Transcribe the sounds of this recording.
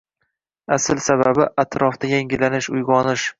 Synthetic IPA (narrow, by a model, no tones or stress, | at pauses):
asɪlsaβabɪʔat̪ʰɾɒfd̪ajaŋɪlanɪʃʊjʁɒnɪʃ